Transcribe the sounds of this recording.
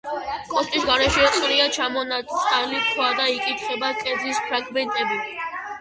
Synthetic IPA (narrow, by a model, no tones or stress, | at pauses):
kʼɔst̪ʼisɡaɾɛʃɛt̪sʼɾiat͡ʃʰamɔnat̪ʼalikʰwad̪aikʼit̪ʰχɛbakʼɛd̪zispʰɾaɡmɛnt̪ʼɛbi